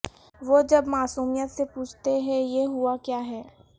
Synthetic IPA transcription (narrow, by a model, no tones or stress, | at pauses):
ʋoːd͡ʒɐbmaːsuːmijət̪sepuːt͡ʃʰt̪eɦɛ̃jeɦuakjaːɦɛː